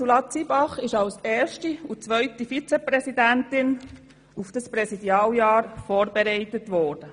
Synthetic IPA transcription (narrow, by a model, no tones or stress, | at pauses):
sulɑt͡sibɑχɪʃɑlseːɾʃtiut͡sʋœʏtifit͡sɛpɾɛsidæntɪn | ufd̥ɑspɾɛsidjɑːljɑːɾfɔːɾbɛɾɛɪtətʋɔːɾd̥ə